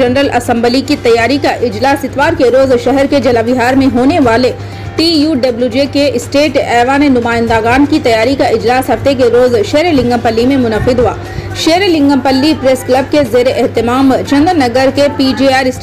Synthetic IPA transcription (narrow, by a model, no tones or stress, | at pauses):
ɐnɾəlɐsə̃mbəlikit̪ɐjːaːɾikaʔɪd͡ʒlaːsɪt̪ʋaːɾkeɾoːzʃɛɦɛɾked͡ʒɐlabɪɦaːɾmẽɦoːneʋaːle | ʈiːjuːɖɐbljud͡ʒekeɪsʈeːʈɛːʋanenʊmaːɪ̃nd̪aɣaːnkit̪ɐjaːɾikaʔɪd͡ʒlaːsɦɐft̪ek̬eɾoːzʃeːɾelɪ̃ŋɡə̃mpɐlːimẽmʊnəqɪd̪ɦʊa̰ː | ʃeːɾelɪ̃ŋɡə̃mpəlːipɾesklɐb̚kezeːɾeʔɛɦt̪ɪmaːmt͡ʃɐ̃nd̪ɾnɐɡəɾkepiːd͡ʒiːaːɾɪs